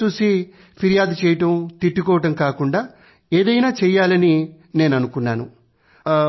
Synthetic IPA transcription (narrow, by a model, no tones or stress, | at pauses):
t͡ʃusi | pʰiɾijaːd̪ut͡ʃɛːjɐʈɐmt̪iʈːikɔːʋɐʈɐmkaːkuɳɖaː | eːd̪ɐjnaːt͡ʃɛːjːaːlɐni | ne̞ːnɐnukunːaːnṵ